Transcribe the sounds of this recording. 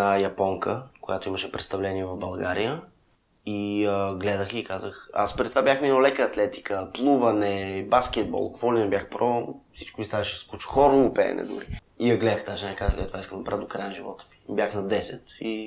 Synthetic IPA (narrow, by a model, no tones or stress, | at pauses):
ɐjɐpɔŋkəkojat̪oiməʃɛpɾɛt̪st̪ɐvlɛniɛvɐvbɐlˠɡaɾijə | iəɡlɛd̪əxikazəxa̰spɾɛt̪ovabʲjaxminolɛkəːt̪lɛt̪i̥kəplˠuvɐnɛbask̟ɛd̪̚bɔ̰lˠkvɔlɛnɛbʲjaxpɾɔfsi̥t͡ʃkʊvist̪avɛʃɛ̥skut͡ʃxɔɾomʊpɛ̰ːnɛ̰d̪ʊ̰ɾḭ | ijɐɡlɛd̪əxt̪aʒnakaɛt̪ovaiskəmɐpɾad̪okɾajnʒivɔ̰t̪ə̥vi̥bʲjaxnɐd̪ɛsɛt̪i